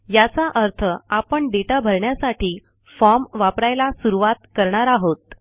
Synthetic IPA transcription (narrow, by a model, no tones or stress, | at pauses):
jat͡saʔəɾt̪ʰəapəɳɖeʈabʱəɾɳjasaʈʰiː | fɔmʋapɾajlasuɾuʋat̪kəɾɳ̃aɾaɦot̪̚